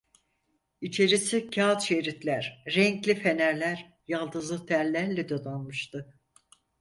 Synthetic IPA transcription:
it͡ʃʰe̞ɾisicʰaːt̪ʃeɾit̪lʲæɾːɛɲclʲife̞næɾlʲæɾ | jalˠd̪ɯzlˠɯt̪ʰæɾlʲæɾlʲɛd̪od̪anmɯʃt̪ɯ

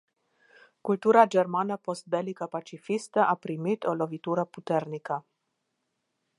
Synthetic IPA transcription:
kult̪uɾad͡ʒermanəpost̪̚d̪elikəpat͡ʃifist̪əʔapɾimit̪olo̞vit̪uɾəput̪ernikə

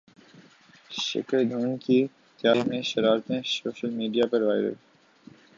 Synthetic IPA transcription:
ʃɪ̰kəɾd̪ʱuːnki | t̪jaːimẽʃɐɾaːɾt̪ẽsoːʃəlmiːɖijapɐɾʋaːɪɾə̰l

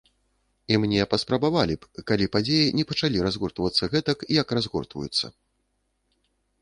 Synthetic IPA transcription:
imnʲɛpɐspɾɐbavalʲipkalʲipad͡zʲejinʲɛpɐt͡ʂalʲiɾazɣurt̪vɐt̪sːɐɣɛt̪ɐkjɐkrazɣurt̪vṵjut̪sːɐ̰

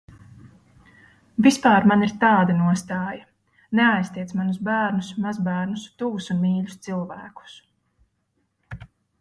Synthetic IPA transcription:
vispaːɾmaniɾt̪ɑːd̪anuɔst̪ɑːjɐ | neajst̪iɛt̪smanusbæːɾnusmazbæːɾnust̪uːsunmiːʎʲʊst̪silˠvæːku̥s

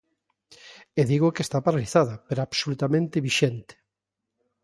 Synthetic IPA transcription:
eðiɣokest̪apaɾaliθaðɐpeɾoaβsolut̪amẽnt̪ɪβiʃent̪ɪ̥

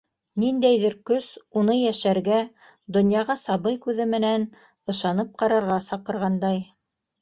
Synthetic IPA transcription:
nind̪æjðɘɾkɵsunɤjæʃæɾɡæ | d̪ŏnjɑʁɑsɑβɤjkʉðɘmɘ̆næn | ɤ̆ʃɑnɤp̚qɑɾɑɾʁɑsɑqɤ̆ɾʁɑnd̪ɑj

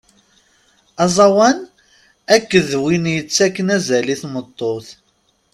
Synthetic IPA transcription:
ɑzˤɑwæn | ækːəðwinjət͡sːækːənæzæliθmət̪ˤːoθ

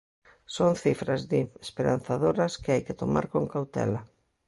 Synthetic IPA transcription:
soŋθifɾazðɪespeɾa̰n̟θaðoɾɐskɪajkɪt̪oma̰ɾkoŋkawt̪ɛ̰la

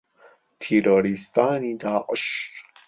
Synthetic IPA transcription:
t̪ʰiɾoɾist̪aːnid̪aːʔɔʃ

